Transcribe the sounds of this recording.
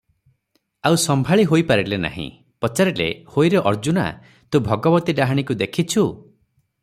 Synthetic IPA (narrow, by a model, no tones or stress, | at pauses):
awsɔmbʱaɭiɦojpaɾilena̰ɦḭ̃ | pɔt͡ʃaɾilḛhojɾeʔɔɾd͡ʒuna̰ | t̪ũbʱɔɡɔbɔt̪iɖaɦaɽ̃ikud̪ekʰit͡ʃʰu